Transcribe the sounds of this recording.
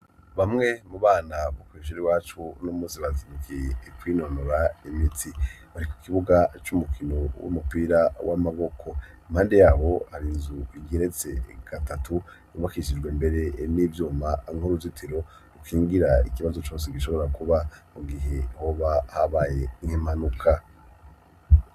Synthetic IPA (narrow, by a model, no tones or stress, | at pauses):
βamŋe̞muβaːnaβokwiʃ̬uɾiwaːt͡ʃunomuːsiβazimukekwino̞noɾaimitʰi | βaɾiku̥kiβuɡat͡ʃumukʰino̞wṵmupiɾawʔamaβo̞kʰo̞ | m̥haːndejaːβo̞haɾinzuiɡeɾe̞t͡se̞ɡ̥atatʰu | uβakiʃid͡ʒɡwembe̞ɾe̞niːvjuːmaŋuɾuzitʰeɾo̞ | ukʰiːŋɡiɾaḭkiβazo̞t͡ʃo̞ːseɡiʃo̞βo̞ɾakuβamuɡiɦe̞hoβahaβaːje̞ŋhimanukʰa